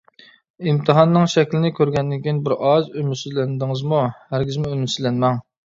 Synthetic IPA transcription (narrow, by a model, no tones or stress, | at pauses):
imt̪ʰɨɦɑnːɨŋʃɛkʲlɪnɪkʲʰøɾɡʲɛnd̪ɪnkʲʰijinbɪɾʔɑzymysyzlænd̪ɪŋɨzmuhæɾɡʲɪzmɪymysylɛnmɛŋ